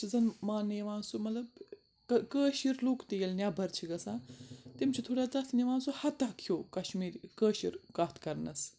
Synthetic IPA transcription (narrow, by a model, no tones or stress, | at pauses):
d͡zɐnmaːneʋãːnsumɐt̪lɐb | kɐkəːʃiɾluːkt̪ijelnʲjabʱɐɾt͡ʃʰiɡɐsãːt̪imt͡ʃʰit̪ʰoːɽʲjaːt͡sɐt̪ʰniʋãːnsuhɐt̪akʰːoːkɐʃmiːɾkəːʃḭɾkat̪ʰkɐɾnɐs